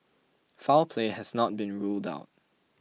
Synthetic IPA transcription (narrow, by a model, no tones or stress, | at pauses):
falpʰlehɛsnɔt̚bĩnɹulda̰ʊt̚